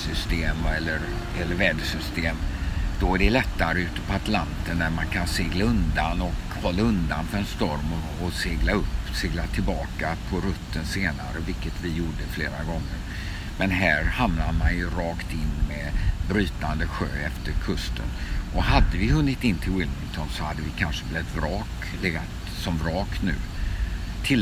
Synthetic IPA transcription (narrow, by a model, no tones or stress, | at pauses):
sʏst̪eːmɛlːəɾ | ɛlːəɾvɛːd̪sʏst̪eːmd̪̥ɔæɖɛlɛt̪ːaɾəʉ̟ːt̪ə̥pʰɔat̪lant̪əɳd̪æɾmankʰanseːɡlaɵnd̪anɔk | hɔlːaɵnd̪anfœɾɛnst̪ɔɾmɔːseːɡlaɵpːseːɡlat̪ʰɪlbɑːkapʰɔɾɵt̪ʰːənseːna̰ɾəvɪlkət̪vɪjuːɖəfleːɾaɡɔŋːəɾ | mɛnɦæːɾhamnamanjɵɾɑːkt̪ɪnːmɛbɾyːt̪and̪əɧø̰ːɛft̪əɾkʰɵst̪ʰə̰nʔɔhad̪ːəvɪɦɵnːɪt̪ɪnːt̪ʰɪlwɪlmɪŋt̪ʰɔnsɔhad̪ːəvɪkʰanʂəblɛt̪vɾɑːk | lɛɡat̪ | sɔmvɾɑːknʉ̟̰ː | t̪ʰɪ